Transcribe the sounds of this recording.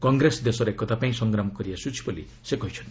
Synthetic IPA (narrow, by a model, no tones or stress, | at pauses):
kɔŋɡɾesd̪esɔɾekɔt̪apaĩsɔŋɡɾamɔkɔɾiasut͡ʃʰi̥bolḭ | sekɔɦit͡ʃʰɔn